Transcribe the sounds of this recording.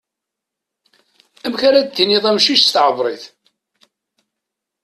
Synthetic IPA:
æmçaɾæd̪̚t̪ːiniðˤæmʃiʃst̪ʕəvˤɾˤiθ

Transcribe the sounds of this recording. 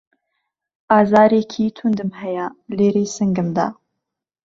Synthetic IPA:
ʔaːzaːɾeːkʰit̪ʰund̪ɨmhɛjɐleːɾeːsɨŋɡɨmd̪a̰ː

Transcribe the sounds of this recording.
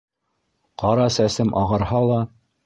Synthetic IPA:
qɑɾɑsæsɘmʔɑʁɤ̆ɾhɑlˠɑ

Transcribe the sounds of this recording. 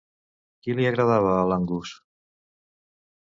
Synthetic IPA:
kiliəɣɾəðaβəːlaŋɡus

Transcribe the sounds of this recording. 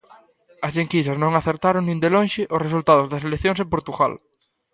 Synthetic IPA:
ɐsʎeŋkisɐsnõŋaθeɾt̪aɾoŋnĩnd̪elõŋʃɪʔʊsresult̪aðʊzðɐs̬elekθjõŋsepoɾt̪uɣa̰l

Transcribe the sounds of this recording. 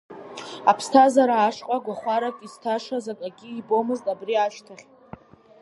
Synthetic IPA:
apʰstʰazaɾaːʂqʼaɡʷaχʷaɾakʲʼiztʰaʂazakʼaɡʲiibo̞mɨztʼabriaʃtʰaχʲtʼ

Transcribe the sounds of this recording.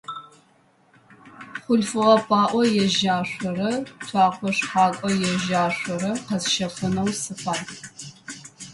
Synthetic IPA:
χʷʊɬfɨʁɐpʰaːʔʷɔjɛʒaːɕʷɔɾɐtʷʰɑːqʷɔʂħɑːkʷʼɔjɛʒaːɕʷɔɾɐqɐzʃɐfɨnɐwsɨpʰaːl

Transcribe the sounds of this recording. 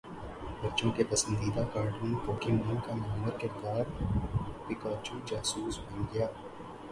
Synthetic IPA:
bɐːt͡ʃõkepɐsə̃nd̪iːd̪akaːɾɖʊ̃nt̪oːkɪmɾɐ̃nkamɐməɾkɪɾd̪aːɾ | pɪkaːt͡ʃud͡ʒaːsuːsbɐnɡɐjaː

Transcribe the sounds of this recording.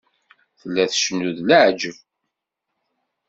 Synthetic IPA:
θəlːæθʃənːuðləʕd͡ʒəv

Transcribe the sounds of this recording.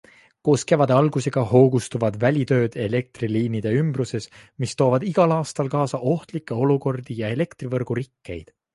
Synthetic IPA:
ko̞ːske̞vɑd̪e̞ɑlɡ̥use̞ɡ̥ɑho̞ːɡ̥ust̪uvɑd̪̥vælʲit̪ø̞ːd̪̥e̞le̞k̚t̪riliːnid̪̥e̞ymbruse̞smist̪o̞ːvɑd̪iɡ̥ɑlɑːst̪ɑlkɑːsɑʔo̞ht̪likːˑe̞o̞luko̞rd̪̥ijɑe̞le̞kt̪rivɤrɡ̥uɾikːe̞̰jd̪̥

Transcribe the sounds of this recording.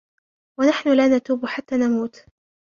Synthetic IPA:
wanaħnʊlaːnat̪uːbħat̪ːaːnamuːt̪

